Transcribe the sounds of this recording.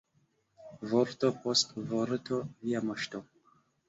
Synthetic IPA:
voɾt̪opostvoɾt̪ʰoviaməʃt̪o

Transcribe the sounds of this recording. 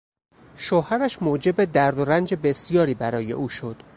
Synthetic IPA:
ʃohæɾæʃmoːd͡ʒe̞bed̪æɾd̪oɾænd͡ʒebe̞sijɒːɾiːbæɾɒːje̞̰ʔuːʃo̞d̪̥

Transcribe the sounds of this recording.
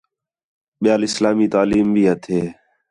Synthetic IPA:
ɓɪjaːlɪslaːmiːt̪aːliːmbʱiːɦət̪ʰeː

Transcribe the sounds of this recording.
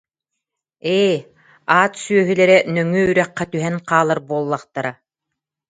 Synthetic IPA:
eː | aːt̪syœɦylɛɾɛnœŋyːɾɛqːt̪yɦɛnqaːlˠaɾbuɔlˠːaqt̪aɾa

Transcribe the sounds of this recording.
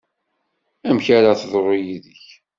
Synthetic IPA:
æmçaɾaθðˤɾˤojiðəç

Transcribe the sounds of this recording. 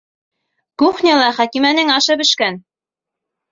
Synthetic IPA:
kuχnʲɑlˠɑχækimænɘŋɑʃɤbɘ̆ʃkæn

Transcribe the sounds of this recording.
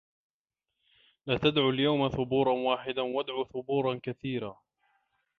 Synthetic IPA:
laːt̪ad̪ʕuljawmaθʊbuːɾˤɑnwaːħɪd̪awad̪ʕuːθʊbuːɾˤɑnkaθiːɾaː

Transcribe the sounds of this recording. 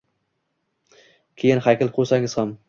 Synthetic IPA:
kʲʰejɪnhakʲɪlˠqʰosaŋɪz̥ham

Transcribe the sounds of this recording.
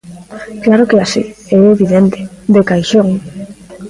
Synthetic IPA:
klaɾʊkeasḭɛeβiðent̪ɪ̥d̪ekajʃoŋ

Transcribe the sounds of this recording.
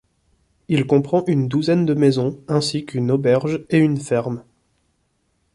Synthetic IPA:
ilkɔ̃pχɑ̃ʔynd̪uzɛnd̪əmɛzɔ̃ɛ̃sikʰynobɛʁʒeynfɛʁm

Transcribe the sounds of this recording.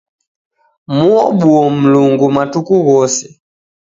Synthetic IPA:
muɔɓuɔm̩luŋɡumatukuɣɔsɛ

